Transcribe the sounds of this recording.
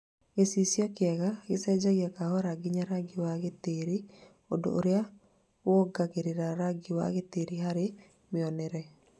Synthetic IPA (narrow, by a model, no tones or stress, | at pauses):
ɡesisjɔkɪɛɣaɡɪsɛd͡ʒaɡjakahɔɾaɡɪɲaɾaɡɪwaɡɪt̪eɾi | o̰do̰ʔo̰ɾja | wɔɡaɡeɾeɾaɾaɡɪwa̰ɣet̪eɾiɦaɾɪ | mɪɔnɛɾɛ